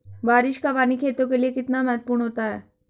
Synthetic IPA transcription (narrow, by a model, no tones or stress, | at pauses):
baːɾɪʃkapanikʰet̪õk̬eliekɪt̪naməɦət̪̚puːɾɳɦot̪aɦɛ